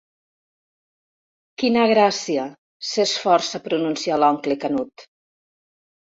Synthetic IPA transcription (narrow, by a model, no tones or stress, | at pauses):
kinaɣɾasia | sesfɔɾsapɾununsialɔŋklekanut̪